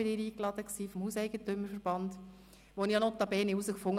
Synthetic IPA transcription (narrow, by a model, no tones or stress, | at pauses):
ɪdɪːɾiːklɑd̪əksiːfɔmhuːsɛɪɡətʏmːəɾfəɾb̥ɑnd̪ | ʋonijɑnot̪ːɑbɛːniuzəkfʊŋː